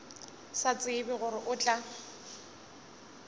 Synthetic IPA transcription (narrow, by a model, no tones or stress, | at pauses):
sat͡sʼɪbɪɣʊɾɪʔʊt͡ɬʼa